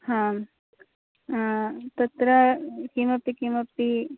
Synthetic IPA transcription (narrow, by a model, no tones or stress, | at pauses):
hã | t̪ɐt̪ɾɐkimɐpːikimɐpːi